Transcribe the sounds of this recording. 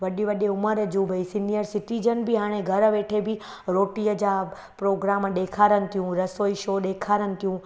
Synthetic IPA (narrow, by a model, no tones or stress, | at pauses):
ʋɐɗiʋɐɗeʊməɾd͡ʑũʋɐisinijəɾsɪʈizənbɪɦaːɽ̃eɡʱɐɾəʋeːʈʰebɪ | ɾoːʈiːəd͡ʑaː | pɾoːɡɾaːmɗeːkʰaːɾənɪ̆t̪ʰijũɾɐsoːiʃoːɗeːkʰaːɾənɪ̆t̪ʰijũ